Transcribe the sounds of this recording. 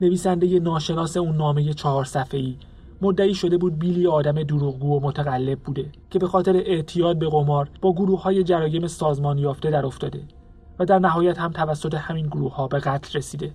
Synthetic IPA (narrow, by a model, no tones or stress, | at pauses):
neviːsænd̪e̞je̞nɒːʃe̞nɒːse̞unːɒːme̞je̞t͡ʃʰɒɦɒːɾsæfeiː | mod̪ːæiːʃo̞d̪e̞buːd̪̚biːlieɒːd̪æme̞d̪uɾuːɣɡuːomot̪ʰæɣælːe̞b̚buːd̪e̞cʰe̞be̞xɒːt̪ʰe̞ɾeʔeʔt̪ʰijɒːd̪̚be̞ɣo̞mɒːɾb̥ɒːɡoɾuːhhɒːje̞d͡ʒæɾɒːje̞me̞sɒːzmɒːnjɒːft̪e̞d̪æɾo̞ft̪ɒːd̪e̞ | væd̪æɾnæɦɒːjæt̪hæmt̪ʰævæsːo̞t̪ʰe̞hæminɡoɾuːhhɒːbe̞ɣæt̪ʰlre̞siːd̪e̞